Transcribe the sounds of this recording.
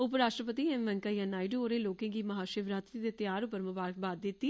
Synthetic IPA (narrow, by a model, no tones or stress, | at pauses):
ʊpɾaːʃʈɾəpət̪iːɛmʋɛ̃ŋkaːjãːnaːɪɖooːɾeːloːkẽːɡiːmɐɦaːʃɪʋɾat̪ɾid̪eːt̪jaːɾʊpəɾmʊbaːɾək̚baːd̪d̪ɪt̪ːiː